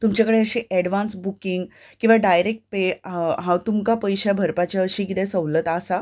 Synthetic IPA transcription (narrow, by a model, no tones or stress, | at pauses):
t̪umt͡ɕjakəɽeəɕiːʔɛɽʋansbukiŋɡ | kĩw̃ʋaɖajɾek̚ʈ̚peɦãt̪umkapəjɕjabʱəɾpat͡ɕaəɕiːkit̪ɛ̃səʋlət̪asa